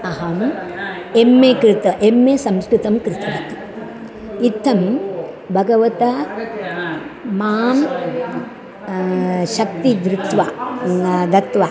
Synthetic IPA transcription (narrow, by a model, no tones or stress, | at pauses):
ɐɦɐm | emːeːkɾɪt̪ɐʔemːeːsɐmskɾɨt̪ɐmkɾɪt̪ʰɐɾɐt̪i̥ | it̪ʰːɐm | bʱɐɡɐʋɐt̪ɐ | maːm | ʃɐkt̪id̪ɾɪt̪ʋa | d̪ɐt̪ʋa